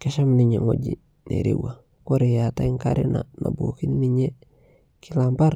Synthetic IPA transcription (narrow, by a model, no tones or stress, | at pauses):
keʃamniɲeŋoɟi | nḛɾḛwa | koɾejataiŋkaɾena̰na̰buokinniɲe | kilambaɾ